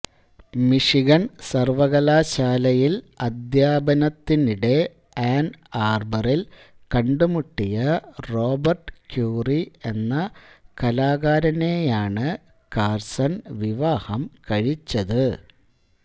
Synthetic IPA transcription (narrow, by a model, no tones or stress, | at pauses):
miʂiɣɐnsɐrʋɐɣɐlaːɕaːlɐjil | ɐd̪jaːbɐnɐt̪ːiniɽe̞ | aːnaːrbɐril | kɐɳɖumuʈːijɐro̞ːbɐrʈkjuːrie̞nːɐkɐlaːɣaːɾɐne̞ːjaːɳɨ | kaːrsɐnʋiʋaːhɐmkɐɻit͡ɕːɐðɨ